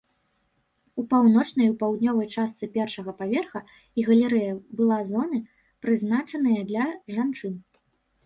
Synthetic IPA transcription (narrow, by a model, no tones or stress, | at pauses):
upawnɔt͡ʂnɐjupawd̪nʲɔvɐjt͡ʂast̪sɨpʲɛrʂɐɣɐpavʲɛrxɐ | iɣɐlʲɛɾɛjɐbɨlˠazɔnɨ | pɾɨznat͡ʂɐnɐjɐd̪lʲɐʐant͡ʂɨn